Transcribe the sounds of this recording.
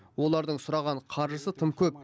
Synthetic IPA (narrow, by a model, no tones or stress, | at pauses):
wo̞lˠɑɾd̪əɴsʊɾɑʁɑɴqʰɑɾʒəsət̪ʰəmkʲʰɵp̚